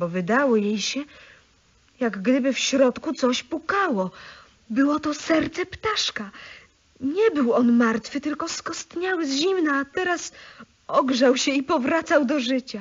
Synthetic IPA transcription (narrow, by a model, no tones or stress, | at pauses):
bɔvɘd̪awɔjejɕɛ | jaɡɡd̪ɘbɘfɕɾɔt̪kut̪sɔɕpukawɔ | bɘwɔt̪ɔsɛɾt̪sɛpt̪aʂka | ɲɛbɘwɔnmaɾt̪fɘt̪ɘlkɔskɔst̪ɲawɘzʑimnaːt̪ɛɾas | ɔɡʐawɕɛipɔvɾat̪sawd̪ɔʐɘt͡ɕa